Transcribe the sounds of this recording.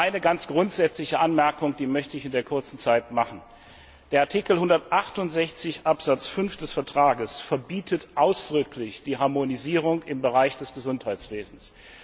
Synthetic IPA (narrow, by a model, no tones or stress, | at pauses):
ʔaɪnəɡant͡sɡ̥ʁʊntz̥ɛt͡slɪçəʔanmɛɐkʊŋd̥iːmœçtəɪçɪndeːɐkʰʊɐt͡sn̩t͡saɪtmaχn̩ | d̥eːɐʔaɐtʰiːkl̩hʊndɐtʔaχtʊntz̥ɛçt͡sɪçʔapz̥at͡sfʏnfd̥ɛsfɛɐtʁ̥aːɡəsfɛɐbiːtʰətʔaʊsd̥ʁʏkʰlɪçd̥iːɦaɐmoniziːʁ̞ʊŋɪmbəʁaɪçd̥ɛsɡ̥əzʊnthaɪt͡sv̥eːzn̩s